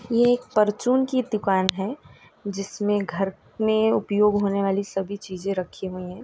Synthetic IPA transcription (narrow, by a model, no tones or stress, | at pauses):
jeeːk̚pɐɾt͡ʃuːnkid̪ʊkaːnɦɛ | d͡ʒɪsmẽɡʱɐɾ | mẽʊpjoːɡɦoːneʋaːlisɐbʱit͡ʃiːzẽɾɐkʰiɦuiɦɛ̃ː